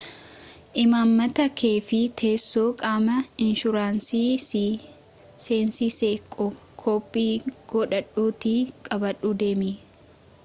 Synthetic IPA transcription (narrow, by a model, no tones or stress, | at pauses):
ʔɪmaːmːɐt̪ɐkʰeːfɪt̪ʰe̞ːsːoːkʼaːmɐɪnʃʊɾaːnsiː | seːnsiseːkʼɔ | kʰoːpʼːiːɡ̥ɔːᶑɐᶑuːt̪ikʼɐbɐᶑuːd̪e̞ːmi